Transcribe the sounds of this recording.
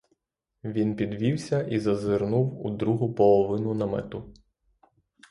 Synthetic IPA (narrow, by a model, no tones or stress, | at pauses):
ʋʲinpʲid̪ʋʲiwsʲɐʔizɐzɪɾnuwud̪ɾuɦʊpɔlˠɔʋɪnʊnɐmɛ̰t̪ʊ